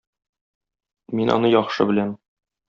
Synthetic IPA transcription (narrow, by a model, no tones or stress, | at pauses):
minʔɒ̰nɤjɒχʃɤ̰bɘ̆læn